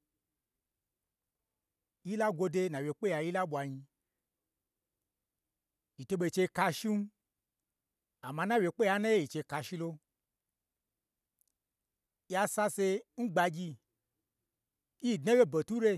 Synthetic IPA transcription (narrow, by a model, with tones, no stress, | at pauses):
ji˦la˦ɡʷo˧de˧˦nã˨we˨k͡pe˦ja˧˨ji˦la˦ɓʷa˨ɲi˧ | i˨to˧ɓe˧˨t͡ʃe˧ka˧ʃi˦n˦ | a˨mã˧na˦˨wʲe˨k͡pe˦ja˨˦na˦je˦˨i˨t͡ʃe˧ka˧ʃi˦lo˧ | ja˧sa˧se˧n̩˦ɡ͡ba˧ɡʲi˧ | ji˦˨dnã˦ɡe˦be˨tu˦ɾe˧